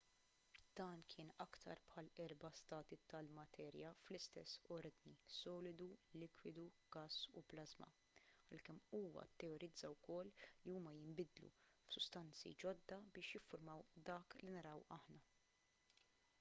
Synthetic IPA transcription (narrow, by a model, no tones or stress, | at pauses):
d̪̥ɐːnkʰɪːnɐkt̪ʰɐ̰ɾpħɐlɛɾbɐst̪ɐːt̪it̪ɐlmɐt̪ʰɛːɾjɐflɪst̪ɛsːɔɾd̪nisɔːlɪd̪ulɪkwɪd̪u | ɡ̥ɐsːṵplɐzmɐ̰ | ɐlkɛmːuːwɐ̰t̪ːɛɔɾɪd͡zːɐwkɔlːiuːmɐjɪmbɪd̪lṵ | fsʊst̪ɐnt͡sḭd͡ʒɔd̪ːɐbɪːʃjɪfːʊɾmɐwd̪ɐːklinɐɾɐwɐħnɐ